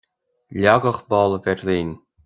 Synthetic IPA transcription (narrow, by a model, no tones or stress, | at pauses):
lʲɑɣɤ̆χbɑlˠvʲerʲlʲenʲ